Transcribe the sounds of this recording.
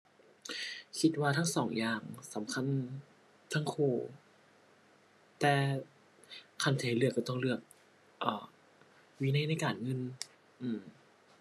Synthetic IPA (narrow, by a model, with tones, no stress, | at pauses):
kʰi˧˥t̪̚waː˧t̪ʰa˦˥˨ŋsɔː˩˦ŋjaː˨˩ŋsa˨˩˦mkʰa˧˥˨n | t̪ʰa˦˧˥ŋkʰoː˧˩ | t̪ɛː˧ | kʰa˧˩nt̪ʰaː˨˩˦lɯ˧˩kːa˧˩t̪ɔ˥˩ŋlɯ˧˩ək̚ | ʔɤː˨˩ | wiː˧na˧˥˨na˧˥˩jkaː˨˩nŋɤ˧˥˨n | ʔɯː˧˩m